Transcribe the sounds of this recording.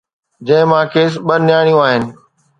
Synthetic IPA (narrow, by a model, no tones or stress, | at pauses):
d͡ʑɐ̃ɦɪ̃mãːkʰeːs̬ɓənɪjaːɽ̃ijũaːɦɪnɪ̆